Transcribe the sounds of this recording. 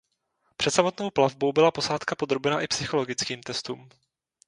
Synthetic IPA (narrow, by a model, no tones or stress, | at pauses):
pr̥ɛt̪samo̞t̪nowplavbo̞wbɪlapo̞saːt̪kapo̞d̪ɾo̞bɛnaʔɪpsɪxo̞lo̞ɡɪt͡skiːmt̪ɛst̪uːm